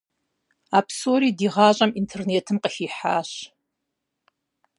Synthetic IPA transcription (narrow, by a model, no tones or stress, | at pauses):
aːpʰsoːɾiːdiːʁɑːɕʼɐmintʰerneːtʰɨmqəxiːħa̰ːɕ